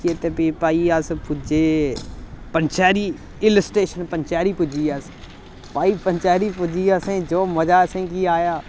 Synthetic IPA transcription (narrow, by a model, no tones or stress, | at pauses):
iet̪epipaːiːaspʊd͡ʒeː | pənt͡ʃaːɾiː | ɪləsʈɾeːʃənpəɲt͡ʃaːɾiːpʊd͡ʒiːas | paːiːpəɲt͡ʃaːɾiːpʊd͡ʒiːasẽːd͡ʒoːməd͡ʒaːsẽːkiːaːjaː